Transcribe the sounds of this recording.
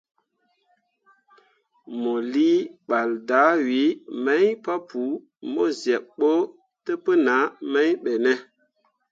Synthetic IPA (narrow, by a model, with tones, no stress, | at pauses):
mo˨li˦ɓa˨lda˨˦wi˨˦me˦ɲpa˦pu˨˦ | mo˦zɛ˨kɓo˦ | tə˦pə˦na˨˦me˦jɓe˨nɛ˦